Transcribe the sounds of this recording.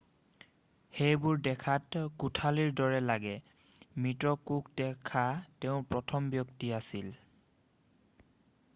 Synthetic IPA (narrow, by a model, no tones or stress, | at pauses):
xejbʊɹdɛkʰatkutʰaliɹdɔɹɛlaɡɛ | mitɹɔkuk̚dɛkʰatɛʊ̃pɹɔtʰɔmbjɔktiasil